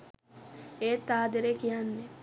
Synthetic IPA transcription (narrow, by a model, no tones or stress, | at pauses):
eːt̪ːaːd̪eɾekijanːe